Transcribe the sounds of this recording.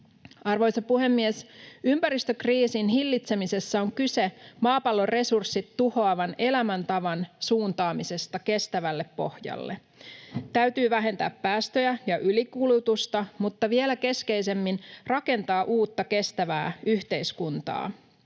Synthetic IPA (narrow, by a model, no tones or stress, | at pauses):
ɑrʋo̞jsɑpuhe̞mːiesympæɾist̪økriːsinɦilːit̪se̞mise̞sːæo̞ŋkyse̞mɑːpɑlːo̞re̞sursːit̪ːuho̞ɑʋɑne̞læmænt̪ɑʋɑnsuːnt̪ɑːmise̞st̪ɑke̞st̪æʋælːe̞pːo̞hjɑ̰lːe̞̰ | t̪æɥt̪yːʋæɦe̞nt̪æ̰ːppæːst̪ø̞jæjɑʔylikulut̪ust̪ɑmut̪ːɑʋie̞læke̞ske̞jse̞mːinrɑke̞nt̪ɑːʔuːt̪ːɑke̞st̪æʋæ̰ːyçt̪e̞jskunt̪ɑ̰ː